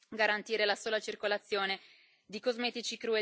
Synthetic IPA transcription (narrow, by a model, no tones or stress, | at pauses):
ɡaɾant̪iːɾelasoːlat͡ʃirkolat̪sːjoːne | d̪ikozmɛːt̪it͡ʃikɾue